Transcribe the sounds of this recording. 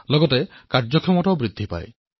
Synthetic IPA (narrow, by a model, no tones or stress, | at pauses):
lɔɡɔtekaɾd͡ʒɔkʰɔmɔʈɔbɾid̪ʱːipa̰ḛ